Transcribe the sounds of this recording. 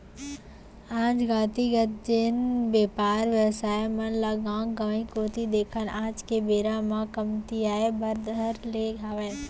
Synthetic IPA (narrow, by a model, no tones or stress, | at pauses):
ãːd͡ʒɡaːt̪iɡət̪̚d͡ʒenbeːpaːɾʋjəʋsaːemɐnlaːɡãːŋɡɐʋĩkoːt̪id̪eːkʰənʔãːd͡ʒkebeːɾãmãkɐmt̪iaːebɐɾd̪əɾleːɡʱaːʋeːn